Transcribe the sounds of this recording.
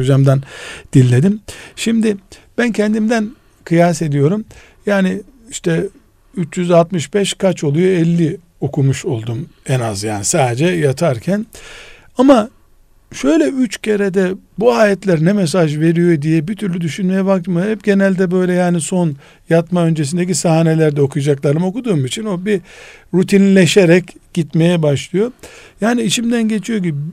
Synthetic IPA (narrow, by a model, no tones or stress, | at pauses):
od͡ʒamd̪and̪̥ilʲːe̞d̪imʃimd̪ɪb̥æncʰɛnd̪imd̪æn | kʰɯjas̬e̞d̪ijo̞ɾum | jaːnɪ | iʃt̪ʰɛ | yt͡ʃjyzalˠt̪mɯʃbɛʃkʰat͡ʃo̞lˠujoɛlʲːi | o̞kʰumuʃo̞lˠd̪umɛnazjaːnisaːd̪ed͡ʒɛjat̪ʰaɾcʰæn | ama | ʃø̞jlʲɛyt͡ʃcʰe̞ɾed̪ɛbuaːjɛt̪lʲæɾnɛmes̬aʒve̞ɾijo̞d̪ijɛbit̪ʰyɾlʲyd̪yʃynme̞jɛbak̚t̪mɯhɛpɟe̞nælʲd̪ɛbø̞jlʲɛjaːniso̞n | jat̪maø̞nd͡ʒes̬ind̪ec̬isaɦaːne̞lʲæɾd̪ɛo̞kʰujad͡ʒaklˠaɾɯmo̞kud̪uːmit͡ʃʰino̞biɾut̪ʰinlʲeʃeɾɛcɟ̥it̪me̞jɛbaʃlˠɯjo̞jaːniit͡ʃimd̪ænɟe̞t͡ʃʰijo̞ɟibi